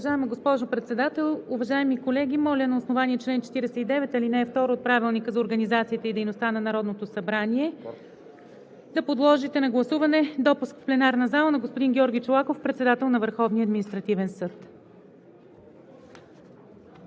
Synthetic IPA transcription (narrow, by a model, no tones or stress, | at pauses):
ɐʒaɛməɡospɔʒopɾɛt̪sɛd̪at̪ɛlˠuvɐʒaɛmikolɛɡʲimɔlʲənɐosnovaniɛt͡ʃlɛnt͡ʃɛ̥t̪iɾɛsɛt̪id̪ɛvɛt̪ɐlinɛːft̪ɔɾoːt̪̚pɾavilˠnikəzɐoɾɡənizat̪siət̪əid̪ɛjnost̪anɐnɐɾɔd̪not̪osɐbɾaniɛ | d̪ɐpod̪lˠɔʒit̪ɛnɐɡlˠɐsuvɐnɛd̪ɔpuskfplɛnaɾnɐzalˠənɐɡospʊd̪inɡʲɔɾɡʲit͡ʃolˠakofpɾɛt̪sɛd̪at̪ɛlˠnɐvəɾxɔvniəɐd̪minist̪ɾɐt̪ivɛnsɤt̪